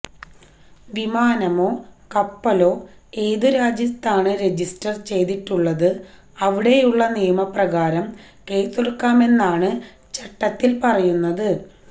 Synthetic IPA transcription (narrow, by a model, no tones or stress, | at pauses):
ʋimaːnɐmo̞ːkɐpːɐlo̞ː | e̞ːðɨɾaːd͡ʑɐst̪ːaːɳɨɾe̞d͡ʑistɐrt͡ɕe̞jd̪iʈːuɭːɐðɨ | ɐʋiɽe̞juɭːɐnijɐmɐprɐɣaːɾɐm | keːjt̪ːuɽɐkːaːme̞nːaːɳɨ | t͡ɕeʈːɐt̪ːilpɐrɐjunːɐðɨ